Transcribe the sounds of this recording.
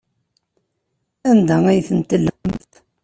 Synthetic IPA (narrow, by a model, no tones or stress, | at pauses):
ænd̪ææjθənt̪əlːəmt̪